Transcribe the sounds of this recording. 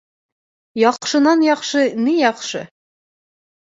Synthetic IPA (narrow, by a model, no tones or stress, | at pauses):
jɒqʃɤ̆nɑnjɒqʃɤnijɒqʃɤ